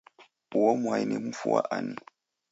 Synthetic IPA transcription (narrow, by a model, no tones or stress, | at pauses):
uomwajnḭmufua̰ʔani